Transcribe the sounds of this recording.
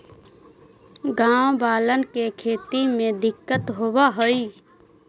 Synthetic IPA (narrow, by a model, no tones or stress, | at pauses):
ɡãbalənkekʰet̪imed̪ikːət̪ɦobəɦoj